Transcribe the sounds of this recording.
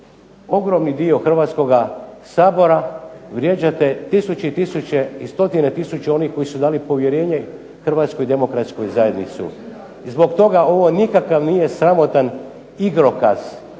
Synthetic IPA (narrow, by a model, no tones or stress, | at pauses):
o̞ɡɾo̞mnid̪io̞xr̩ʋaːt̪sko̞ɡasaːbo̞ɾaʋɾje̞d͡ʑat̪e̞t̪isut͡ɕeit̪isut͡ɕeist̪o̞t̪inet̪isut͡ɕeo̞nixko̞jisud̪aːlipo̞ʋje̞ɾe̞ːɲe | xr̩ʋaːt̪skojid̪e̞mo̞kɾat̪skojzajed̪nit̪sṵ | zbo̞ɡt̪o̞ɡao̞ʋo̞nikakaʋnije̞sɾamo̞t̪an | iɡɾo̞kaz̥